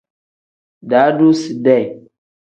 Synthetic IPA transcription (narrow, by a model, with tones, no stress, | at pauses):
da˨˦du˦si˨da˦˨j